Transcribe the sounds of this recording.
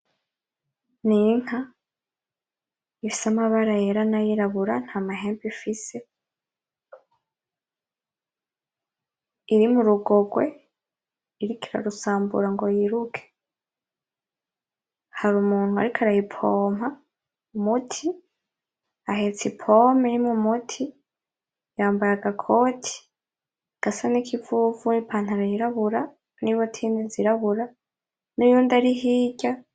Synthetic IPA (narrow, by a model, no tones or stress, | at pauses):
niŋ̥ha | ifi̥samaβaɾajeɾanajiɾaβuɾan̥haːmaɦe̞ːmpifise̞ | iɾimuɾuɡo̞ɡwe̞ | iɾikiɾa̰ɾusaːmbṵɾaŋɡo̞jiɾukʰe̥ | haɾumuːn̥hua̰ɾikʰaɾajipʰoːmha | umutʰi | aɦe̞t͡sipʰomiɾimŋumutʰi | jaːmbaɾaɡakʰo̞ːtʰi̥ | aɡ̥asanikʰivuvunipʰaːn̥aɾojiɾaβuɾa | niβotʰiːndeziɾaβuɾa | nujuːndaɾiɦiːɟa